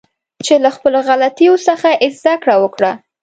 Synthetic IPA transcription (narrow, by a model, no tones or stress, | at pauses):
t͡ʃelaxpəloɣalat̪ijosəxaʔɪzd̪akɽawəkɽa